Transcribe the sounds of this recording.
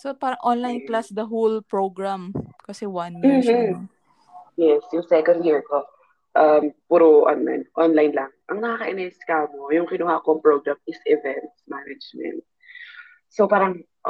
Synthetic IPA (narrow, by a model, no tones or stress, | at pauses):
sopaːɾɐŋʔonlajnplasd̪ɐɦolpɹoɡɹamkɐsɛwɐnj̩ | jɛsjʊŋsɛkond̪hiɹko | ʔɐmpuːɾoʔo̰nla̰nʔonlajnlɐŋʔɐŋnɐkakɐʔɪnɛskamojʊŋkɪnʊhakoŋpɹoɡɹamɪsʔɪvɛnt̪smanɐd͡ʒmɛ̰̃nt̪̚ | sopaːɾɐŋ